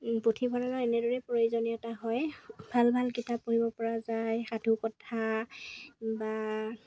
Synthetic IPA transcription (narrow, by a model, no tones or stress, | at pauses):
potʰibʰʱɔɹalaɛnɛdoɹɛpɹoizoniɛtaɦɔjbʱalbʱalkitapːoɦibɔpɔɹazajxadʱukɔtʰa | ba